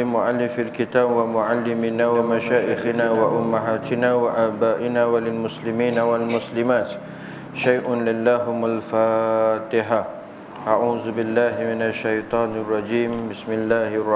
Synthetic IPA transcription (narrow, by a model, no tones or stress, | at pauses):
ɪmʊʕalːɪfalkɪt̪aːbwamʊʕalːɪmɪnaːwamaʃaːʔɪxɪnaːwaʔʊmːaɦaːt̪ɪnaːwaʔaːbaːʔɪnaːwalɪlmʊslɪmiːnawalmʊslɪmaːt̪ | ʃajʔʊnlɪlːaːɦʊmalfaːt̪ɪħa | ʔaʕuːðʊbɪlːaːɦɪmɪnaʃːajt̪ˤɑːnɪrˤːɑd͡ʒiːmbɪsmɪlːaːhrˤː